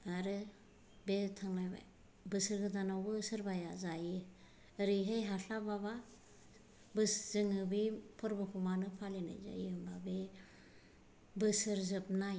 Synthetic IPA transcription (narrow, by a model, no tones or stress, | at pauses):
aɾɯ | betʰaŋnajba̰j | bɯsɯɾɡɯdanawbɯsɯɾbajazajɯː | ɾiɦejɦaɬababa | bɯszɯŋɯbipʰɔɾbɯkʰumanɯpʰalena̰jza̰ḭɯmbabe | bɯsɯɾzɯp̚naj